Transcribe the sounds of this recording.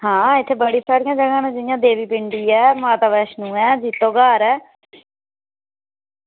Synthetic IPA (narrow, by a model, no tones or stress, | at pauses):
ɦãːɪt̪ʰːeːbəɽiːsaːɾɪjãːd͡ʒəɡãːnãːd͡ʒɪjãːd̪eːʋiːpɪɳɖiːɛːmaːt̪aːʋɛːʃnũːɛːd͡ʒiːt̪ːõːɡaːɾɛː